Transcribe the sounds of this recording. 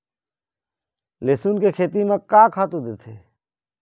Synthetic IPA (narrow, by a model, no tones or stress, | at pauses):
leːsuːnkekʰeːt̪imẽkaːkʰaːt̪ud̪eːt̪ʰeː